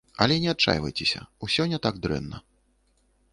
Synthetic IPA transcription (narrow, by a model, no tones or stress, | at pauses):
ɐlʲɛnʲɛat̪̚t͡ʂːa̰jvɐ̰jt͡sʲɛsʲɐ̰usʲɔnʲːɐt̪aɡ̚d̪ɾɛ̰nːɐ